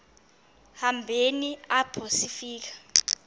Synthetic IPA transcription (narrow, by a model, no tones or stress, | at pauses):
hambʱeniab̥ʰʱosifiːk̬ḁ